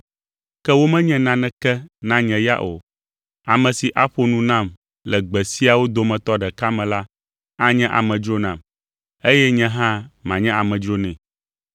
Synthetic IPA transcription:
kɛ˦wo˦mɛ̃˦ɲɛ̃˦nã˨nɛ̃˦kɛ˦nã˦ɲɛ̃˨ja̰˦ʔo̰˨ | a˨mɛ̃˨si˨ʔa˦ɸo˦nũ˦nã˦˨m | lɛ˨ɡ͡bɛ˨si˦a˨wo˦d̪o˨mɛ̃˨t̪ɔ˦ɖɛ˨ka˦mɛ̃˨la˦ | a˦ɲɛ̃˦ʔa̰˨mɛ̃˨d͡ʒɾo˦nã˨m | e˦jɛ˦ɲɛ̃˦ɦã˦mã˨ɲɛ̃˦a˨mɛ̃˨d͡ʒɾo˦nɛ̃˨

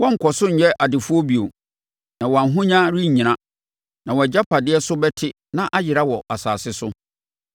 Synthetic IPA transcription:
wɔ̃˦ŋ̩˨kʰɔ˨sʊ˦ɲ̩˨jɛ˦ʔa˨dɪ˨fu˦ɔ˦bi˨o˨ | nã˨wɔ˨a˨nɦʊ̃˦ɲã˦ɾi˦ɲ̩˨ɲĩ˨nã˦ | nã˨wɔ˨ɛ˨d͡ʑa˦pʰa˨dɪ˦ɛ˦sʊ˦bɛ˦tʰɪ˦ | nã˦ʔa˦jɪ˨ɾa˦wɔ˨ʔa˨sa̰ː˨sɪ˦sʊ˦

